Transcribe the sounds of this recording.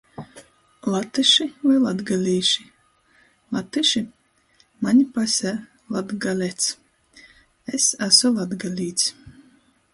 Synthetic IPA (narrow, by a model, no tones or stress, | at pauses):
lˠat̪ɨʃivajlˠad̪ɡalʲiːʃi̥ | lˠat̪ɨʃi | manʲpasʲæ | lˠad̪ɡalʲɛt̪s | esæsɔlˠad̪ɡalʲiːt̪s